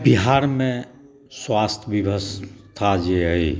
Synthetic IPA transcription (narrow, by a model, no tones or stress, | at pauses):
biɦaːɾmẽ | swaːst̪ʰbibʱəst̪ʰad͡ʒei